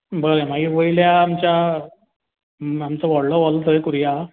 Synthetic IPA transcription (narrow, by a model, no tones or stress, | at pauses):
bəɾemaɡiʋəiljaːmt͡ɕja | amt͡səʋɔɽləʋɔlt̪ʰəjkuɾija